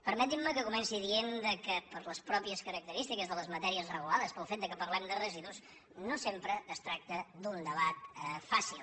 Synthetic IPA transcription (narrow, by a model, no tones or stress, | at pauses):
pəɾmɛt̪imːəkəkumɛnsiðiend̪əkəpəɾləspɾɔpiəskəɾək̚t̪əɾist̪ikəzðələzmət̪ɛɾiəzrəɣulaðəspəlˠfet̪d̪əkəpəɾlɛmd̪ərəziðus | nosempɾəːst̪ɾak̚t̪əd̪und̪əβat̪̚fasilˠ